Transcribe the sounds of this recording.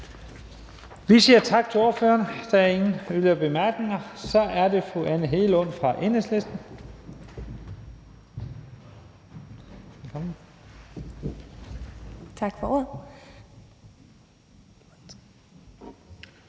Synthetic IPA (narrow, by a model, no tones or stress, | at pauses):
ʋisiːɐt͡sʰɑ̈ɡ̥̚t͡sʰe̝o̝ːɐføːɐnəd̥ɑæɐe̝ŋn̩ølɐb̥e̝mæɐ̰ɡ̥ne̝ŋɐsɒ̽ʔæɐde̝fuænəɦe̝ːləɔ̽n̰fʁɑ̈ʔeneslesd̥n̩ | elkʰɒmn̩ | t͡sʰɑ̈ɡ̥fɒo̝ɐ̰